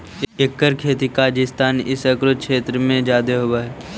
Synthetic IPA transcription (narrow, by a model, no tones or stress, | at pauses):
ekːəɾkʰeːt̪ikaːd͡ʒɪst̪aːnɪsəkɾʊd̪̚kʰʃʰeːt̪ɾəmẽd͡ʒaːd̪eɦobaɦɛː